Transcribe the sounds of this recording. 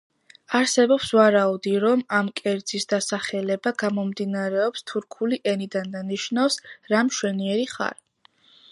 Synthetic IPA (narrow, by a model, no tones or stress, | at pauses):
aɾsɛbɔpsvaɾaud̪iɾɔmamkʼɛɾd̪z̥isd̪asaχɛlɛbaɡamɔmd̪inaɾɛɔpst̪ʰuɾkʰuliʔɛnid̪and̪aniʃnafsɾamʃwɛniɛɾiχa̰ɾ